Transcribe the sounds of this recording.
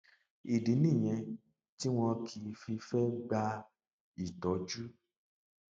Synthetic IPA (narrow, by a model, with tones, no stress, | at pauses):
i˨di˨˦nĩ˦˨j̃ɛ̃˧ | ti˦w̃ɔ̃˧kʰi˧fi˧fɛ˦ɡ͡ba˧ | i˨tɔ˨˦d͡ʒu˦